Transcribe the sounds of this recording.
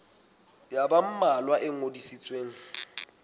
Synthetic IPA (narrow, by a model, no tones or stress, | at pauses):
jabam̩malwaʔɪŋodisit͡sʼweːŋ̩